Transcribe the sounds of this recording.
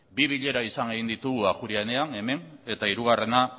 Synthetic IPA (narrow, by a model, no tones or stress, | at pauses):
biβ̞iʎe̞ɾaisaŋeɣind̪it̪uɣuaxuɾiane̞ane̞me̞ne̞t̪aiɾuɣ̞are̞na